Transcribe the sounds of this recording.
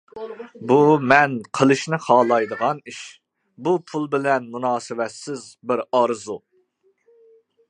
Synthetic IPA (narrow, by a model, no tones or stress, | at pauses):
bumɛnqʰəlˠɨʃnɪχɑːlˠɑjd̪əʁɑniʃ | bupʰulˠbɪlɛnmunɑːsɨwɛt̪sɪzbɪɾɑɾzu